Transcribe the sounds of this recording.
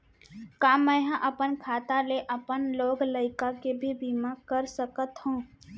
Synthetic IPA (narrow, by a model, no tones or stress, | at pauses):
kaːmə̃jɦãʔəpənkʰaːt̪aleʔəpənloːɡləɪkakebʱibʱimakəɾsəkət̪hũː